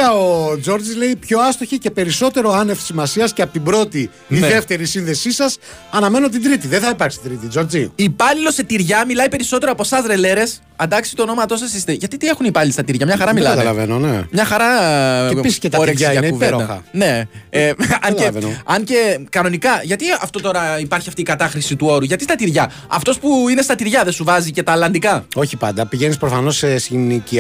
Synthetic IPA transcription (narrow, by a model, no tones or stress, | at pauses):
ɐod͡zo̞ɾd͡zizle̞ipço̞ɐst̪oçece̞pe̞ɾiso̞t̪e̞ɾo̞ɐnefsimɐsiɐsceɐpot̪ibɾo̞t̪i | ðe̞ft̪e̞ɾisinðe̞sisɐs | ɐnɐme̞no̞t̪̬ind̪ɾit̪iðeθɐipɐɾksi̥id̪ɾit̪id͡ʒo̞ɾd͡ziipɐlilo̞se̞t̪iɾʝɐmilɐjipe̞ɾiso̞t̪eɾoɐpo̞sɐzɾe̞le̞ɾe̞s | ɐnd̪ɐksi̥t̪ono̞mɐt̪o̞sɐsist̪eʝɐt̪it̪ie̞xunipɐlilist̪ɐt̪iɾʝɐmɲɐxɐɾɐmilɐt̪lɐvḛnonḛmɲɐxɐɾɐepisiseoɾeksieɐuveɾdɐɐne̞eɐnevenɐnce̞kɐno̞nikɐʝɐt̪iɐ̰ft̪o̞t̪o̞ɾɐipɐɾçiɐft̪iːkɐt̪ɐxɾisit̪uo̞ɾuʝɐt̪ist̪ɐt̪iɾʝɐ | ɐft̪o̞spuine̞st̪ɐt̪iɾʝɐðesuvɐzice̞t̪ɐːlɐnd̪ikɐo̞çipɐnd̪ɐpiʝe̞nispɾofɐno̞sesinici